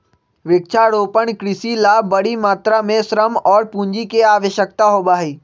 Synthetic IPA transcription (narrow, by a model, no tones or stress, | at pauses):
ʋɪk̚t͡ʃʰaɽoːpəɽ̃kɾɪsilaːbɐɽimaːt̪ɾamẽsɾəmɔːɾpũːɲd͡ʑikeaːʋəʃjək̚t̪aɦoːbaːɦeː